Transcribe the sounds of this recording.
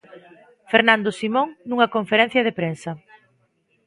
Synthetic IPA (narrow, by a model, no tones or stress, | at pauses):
feɾnãnd̪osimoŋnuŋɐkoɱfeɾɛn̟θjɐðepɾensɐ